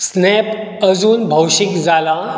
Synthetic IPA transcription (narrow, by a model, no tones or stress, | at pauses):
snɛp | əd͡zuːnbʱəwɕikd͡zala